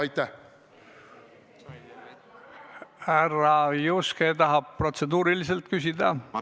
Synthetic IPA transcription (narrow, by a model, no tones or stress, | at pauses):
ɑjt̪æ | hærɑjusket̪ɑɦɑb̥̚pro̞t̪se̞d̪uːɾilis̬elt̪̚kysʲid̪̥ɑ